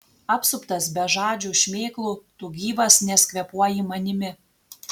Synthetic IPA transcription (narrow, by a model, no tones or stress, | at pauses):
ɑpsʊpt̪ɐsbʲɛʒɑːd͡ʒʲuːʃʲmʲeːklˠuːt̪uːɡʲiːʋɐsnʲɛsʲkʲʋʲɛpuɔjɪmɐnʲɪmʲɪ